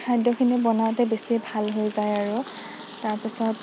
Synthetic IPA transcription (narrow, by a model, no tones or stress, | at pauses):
kʰajdʱɔkʰinibɔnawtɛbesibʱalɦojzajaɹu | taɹpisɔt